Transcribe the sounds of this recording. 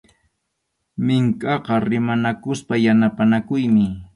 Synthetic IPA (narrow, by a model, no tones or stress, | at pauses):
mɪŋkɑqɑɾɪmanakʊspajanapanakʊjmɪ